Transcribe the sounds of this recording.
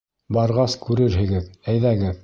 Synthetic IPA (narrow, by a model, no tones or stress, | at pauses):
bɑɾʁɑskʉɾɘɾɦɘ̆ɡɘðæjðæɡɘð